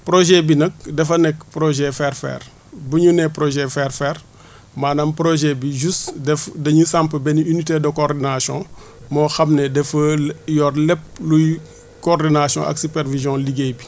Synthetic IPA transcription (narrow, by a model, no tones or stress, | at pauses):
pɾoʒɛbinɐk̚dɛfɐnɛk̚pɾɔʒɛfɛrfɛ̰ːr | buɲunɛpɾoʒɛfɛrfɛr | maːnɐmpɾoʒɛbiʒusdɛfdɐɲusampəbɛniynitedɔkɔrdinasjɔ̰̃ | mɔxɐmnɛdɛfɐjɔːrlɛp̚luj | kɔrdinasjɔ̰̃ʔɐ̰ksupɛɾvizjɔ̃liɡebi